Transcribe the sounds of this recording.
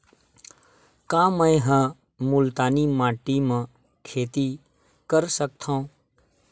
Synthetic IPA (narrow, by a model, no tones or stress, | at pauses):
kãːmə̃jɦã | mʊlt̪aːnimaːʈimã | kʰeːt̪i | kəɾsək̚t̪ʰãũ